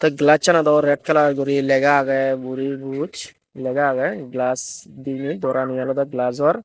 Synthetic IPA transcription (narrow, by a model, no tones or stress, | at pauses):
t̪ɔɡlat͡ʃːanad̪ɔɾɛʈ̚kalaɾɡɔɾilɛɡaɡɛbuɾibut͡ʃ | lɛɡaɡɛɡlasd̪inid̪ɔɾanijalɔd̪ɔɡlas̬ɔɾ